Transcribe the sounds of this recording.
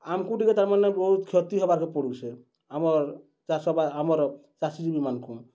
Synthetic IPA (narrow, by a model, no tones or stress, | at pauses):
amkũʈikɛt̪aɾmanebɔɦut̪kʰjɔt̪iɦɔbaɾkepɔɽusʰe | amɔɾ | asɔbaamɔɾ | t͡ʃasid͡ʒibimankʰũ